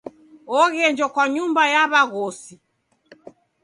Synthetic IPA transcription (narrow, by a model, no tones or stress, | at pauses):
ɔɣɛnd͡ʒɔkwaɲumbajaβaɣɔsi